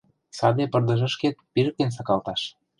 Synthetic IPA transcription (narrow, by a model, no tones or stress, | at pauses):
sɑd̪epɤ̆rd̪ə̆ʒə̆ʃket̪̚piɾə̆k̚t̪ens̬ɑkɑlt̪ɑʃ